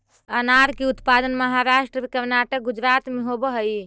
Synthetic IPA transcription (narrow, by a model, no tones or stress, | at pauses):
ənaɾkeut̪pad̪ənməɦaɾaʃʈɾəkəɾnaʈək̚ɡud͡ʒɾat̪meɦobəɦəj